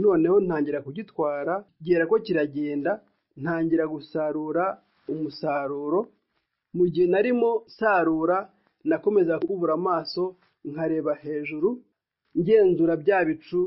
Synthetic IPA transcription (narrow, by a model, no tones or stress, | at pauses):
no̞ːne̞ho̞n̥haːɲɟiɾakuɟitwaːɾaɟeːɾako̞ciɾaɟeːnda | n̥haːɲɟiɾaɡusaɾuɾa | umusaːɾuːɾo̞ | muɟihe̞naɾimo̞saːɾuːɾa | nako̞me̞zakuβuɾamaːso̞ | ŋhaɾe̞ːβahe̞ːʒuɾu | ɲɟe̞ːnzuːɾabjaːβit͡ʃu